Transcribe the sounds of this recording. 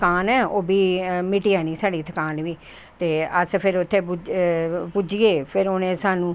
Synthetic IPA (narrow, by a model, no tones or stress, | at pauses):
kaːnɛːoːbiːmɪʈiaːniːsaːɽiːt̪ʰəkaːnʋiː | t̪eːəspʰɪɾʊt̪ʰːeːpud͡ʒpud͡ʒieːpʰɪɾoːnẽːsaːnũː